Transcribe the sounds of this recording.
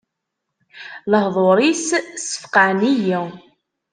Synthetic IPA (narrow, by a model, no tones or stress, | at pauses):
ləhðˤoɾˤissə̥fqaniji